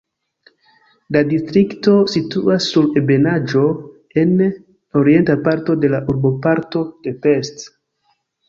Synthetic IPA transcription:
ladistɾikto̞situasːuɾebe̞nad͡ʒo̞ | e̞n | o̞ɾie̞ntapaɾto̞de̞laʔuɾbo̞paɾto̞d̥e̞pe̞st

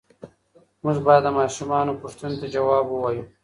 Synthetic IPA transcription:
mʊʐbɑjad̪ːəmɑːʃumɑːnopʊʂt̪unot̪ad͡ʒawɑːbəwɑju

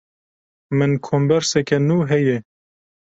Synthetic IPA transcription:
mɨnkʰombɛɾsɛkɛnuːɦɛjɛ

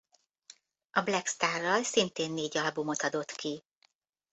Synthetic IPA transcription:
ɒblɛkst̪aːrːɒlsint̪eːnːeːɟɒlbumo̞t̪ɒd̪o̞t̪kʰi

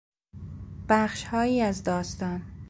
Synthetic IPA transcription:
b̥æχʃhɒːjiːæzd̪ɒːst̪ɒːn

